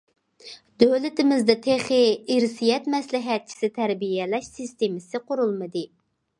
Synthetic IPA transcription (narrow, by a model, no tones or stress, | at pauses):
d̪ølɪt̪ɪmɪzd̪ɛt̪ʰeχɪiɾsijɛt̪mɛslɪɦɛt̪̚t͡ʃʰi̥sɪt̪ʰæɾbijɛlɛʃsist̪emɪsɪqʰoɾulˠmɨd̪ɨ